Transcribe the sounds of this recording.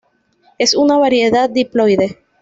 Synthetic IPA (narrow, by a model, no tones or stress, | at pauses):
esunaβaɾjeðat̪̚d̪iplojðe